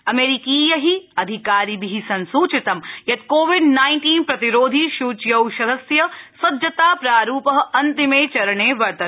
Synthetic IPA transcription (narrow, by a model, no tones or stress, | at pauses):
ɐmeːɾikiːjɐɦiɐd̪ʱikaːɾibiɦisɐnsuːt͡ʃɪt̪ɐmjɐt̪̚koːʋɪɖnaːɪɳʈiːnpɾɐt̪iɾoːd̪ʱiʃuːt͡ʃjɐwʃɐd̪ɐsjɐsɐdd͡ʒɐt̪aːpɾaːɾuːpɐɦɐnt̪imeːt͡ʃɐɾɐɳeːʋɐɾt̪ɐ